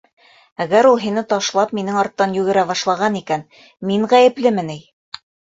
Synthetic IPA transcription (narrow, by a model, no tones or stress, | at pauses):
æɡæɾulˠɦinɘt̪ɑʃlˠɑpminɘŋɑɾt̪ːɑnjʉɡɘ̆ɾæβɑʃlˠɑʁɑnikæn | miɴʁæjɘ̆plɘmɘnij